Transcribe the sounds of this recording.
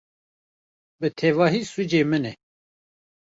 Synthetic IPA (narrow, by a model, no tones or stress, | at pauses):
bɨt̪ʰɛvɑːɦiːsud͡ʒeːmɨnɛ